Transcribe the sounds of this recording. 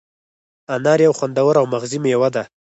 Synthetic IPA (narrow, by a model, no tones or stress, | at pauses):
anɑɾjawxwand̪awəɾawmaɣzimjawad̪a